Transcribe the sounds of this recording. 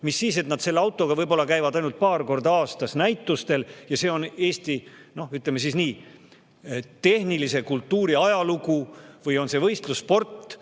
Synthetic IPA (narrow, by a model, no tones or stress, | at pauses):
misːiːse̞t̪nɑd̪̥se̞lːeɑwt̪ːˑo̞ɡ̥ɑvɤjbo̞lːɑkæjvɑd̪ɑjnult̪̚pɑːrko̞rd̪ɑɑːst̪ɑsnæjt̪ːˑust̪e̞ljɑse̞ːo̞ne̞ːst̪i | no̞hyt̪lemesiːsniː | t̪e̞hnilise̞kult̪ːuːɾiɑjɑluɡuvɤjo̞nse̞vɤjst̪luspo̞rt̪ːˑ